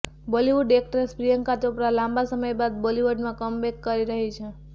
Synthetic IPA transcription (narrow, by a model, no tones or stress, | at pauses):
boliʋuɖek̚ʈɾespɾijəŋkat̪opɾalãmbasəməjbad̪̚boliʋəɖmãkəmbekːəɾiɾəɦit͡ʃʰe